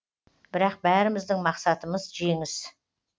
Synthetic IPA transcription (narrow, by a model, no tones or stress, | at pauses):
b̥ɪɾɑq̚bæɾɪmɪzd̪ɪŋmɑqsɑt̪əməzʒe̞ŋɪs